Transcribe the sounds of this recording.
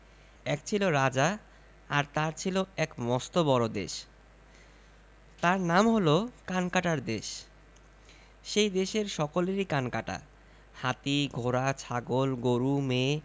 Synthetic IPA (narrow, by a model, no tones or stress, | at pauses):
ɛkt͡ɕʰiloɾad͡ʑa | aɾt̪aɾt͡ɕʰiloɛkmɔst̪obɔɾod̪ḛʃ | t̪aɾnamɦolokankaʈaɾd̪eʃ | ʃejd̪eʃeɾʃɔkoleɾikankaʈa̰ | hat̪iɡʱoɾat͡ɕʰaɡolɡoɾume